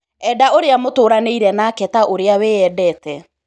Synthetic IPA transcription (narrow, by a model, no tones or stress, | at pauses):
ɛdaoɾeamotoːɾaneiɾɛnaːkɛtaʔoɾeaweɛdɛːtɛ